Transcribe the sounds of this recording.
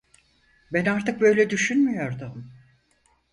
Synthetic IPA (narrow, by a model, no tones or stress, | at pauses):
bænaɾt̪ʰɯk̚bø̞jlʲɛd̪yʃynmyjo̞ɾd̪ʊm